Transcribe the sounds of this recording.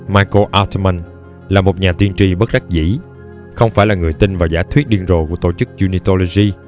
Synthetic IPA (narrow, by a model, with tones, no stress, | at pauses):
maː˧jko˧ʔaː˧wt̪ma˧n | laː˨˩mo˨˩t̚ɲaː˨˩t̪i˧ənt͡ɕi˧ɓə˦˥t̚za˦˥k̚zḭ˧˥ | xə˧wŋ͡mfaː˧˩jlaː˨˩ŋɨ˨˩əjt̪i˧nvaː˨˩zaː˧˦jt̪ʰwi˦˥t̚ɗi˧ənzo̰˨˩ku˧˥ət̪o˧˩t͡ɕɨ˦˥k̚zu˧ni˧t̪o˧lo˧zi˧